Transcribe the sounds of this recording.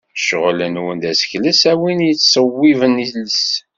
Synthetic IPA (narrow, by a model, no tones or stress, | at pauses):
ʃəʁlənwənd̪æsə̥çləsæwinjət͡sːsˤəwːivəniləs